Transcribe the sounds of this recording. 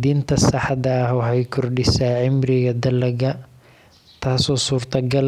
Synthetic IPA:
d̪iːnt̪ʰɐsɑħɑd̪ɐːhwɑħɛjkʰɔrɖɪsaːʕɪmrɪɣɐd̪ɐlɐɣɐ | t̪ʰaːsɔːsuːrt̪ʰɐɡɐl

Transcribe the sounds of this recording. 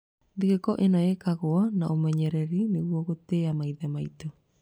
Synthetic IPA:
ndiɣekɔʔenɔɛkaɣoɔnaʔomɛɲɛɾɛɾineɣwɔɣoteamaiðɛmaitɔ

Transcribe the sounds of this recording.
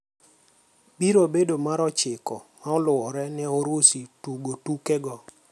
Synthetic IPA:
biɾobedomaɾɔt͡ʃɪkɔmaɔlʊɔɾɛnɛoɾosituɡotukɛɡɔ

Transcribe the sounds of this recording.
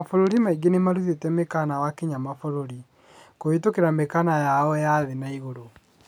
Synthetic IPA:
foɾoɾimaiɡenemaɾuðetɛmekanawakeɲamafoɾoɾi | koetokeɾamekanajaɔjaðenaiɣoɾo

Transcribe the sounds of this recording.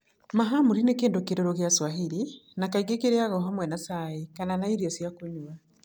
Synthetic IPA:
maɦamuɾinekeːndokeɾoɾoɣjaswaɦeɾinakaiɡekeɾeaɣɔɦamwɛnasaikananaiɾiɔsjakoɲua

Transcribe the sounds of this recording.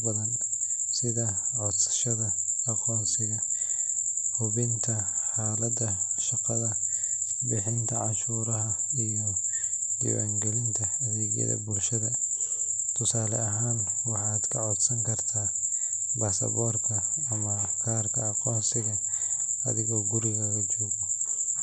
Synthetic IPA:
bɐðɐn | sɪðɐʕɔd̪sɐ̥ʃɐðɐqːqɔːnsɪɣɐ | hʊβɪnt̪ʰɐħaːlɐd̪ɐʃɑqɑðɐ | bɪħɪnt̪ʰɐʕɑʃuːɾɐɦɐ | ijɔ | d͡ʒɪ̰wa̰ːŋɡɛlɪnt̪ʰɐɐðɛːɡjɐ̰ðɐ̰bulʃɐðɐ | t̪ʰʊsaːlɛɐɦaːnwɑħɑːd̪kʰɐʕɔd̪sɐŋkʰɐrt̪ʰaː | baːsɐ̰bɔːrt̪ʰɐːmɐkʰaːrkʰɐːqɔːnsɪɣɐɐ̰ðɪɣɔːɡʊɾɪɣɐlɐt͡ʃɔːɣɔ

